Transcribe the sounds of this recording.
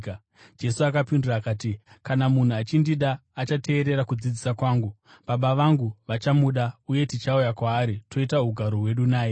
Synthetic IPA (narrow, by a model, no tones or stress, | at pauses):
d͡ʒe̞suakapinduraːkaːti | kanamun̤uat͡ʃindiɗaːt͡ʃate̞ːɾe̞ɾakud͡zid͡zisakwaːŋɡu | ɓaɓaʋaŋɡuʋat͡ʃamuɗauje̞tit͡ʃaujakwaːɾitʰo̞itaɦuɡʱaɾo̞ɦwe̞ɗunaːe